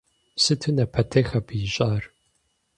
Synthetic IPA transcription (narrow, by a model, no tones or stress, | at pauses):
sɨtʰɨnɐpʰɐtʰexɐbʰɨjɪɕʼaːr